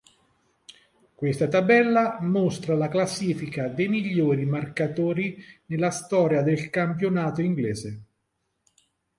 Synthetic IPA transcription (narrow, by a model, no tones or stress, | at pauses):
kwest̪at̪abɛlːamost̪ɾalaklasːiːfikad̪ejmiʎːoːɾimarkat̪oːɾinelːast̪ɔːɾjad̪elkampjonaːt̪oiŋɡlɛːze